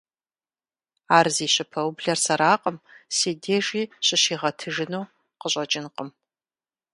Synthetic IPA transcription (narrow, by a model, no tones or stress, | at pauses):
aːrziːɕɪpʰɐwbɮɐrsɐɾaːqʼəmseːdeːʒiːɕʼɪʃiːʁɐtʰɨʒɪnuː | qəɕʷʼɐt͡ʃʼɪnqʼəm